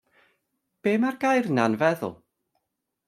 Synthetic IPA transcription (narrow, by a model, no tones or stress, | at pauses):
b̥eːmarɡajrnanvɛðʊ̰lˠ